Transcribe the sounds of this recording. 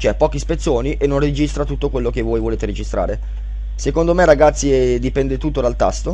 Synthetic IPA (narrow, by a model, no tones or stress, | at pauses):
t͡ʃɛpːɔːk̟ispet̪sːoːniʔenːonrid͡ʒist̪ɾat̪ut̪ːokwelːok̟evːoːjvoleːt̪eɾid͡ʒist̪ɾʔa̰ːɾe | sekond̪omeraɡat̪sːid̪ipɛnd̪et̪ut̪ːod̪alt̪a̰st̪o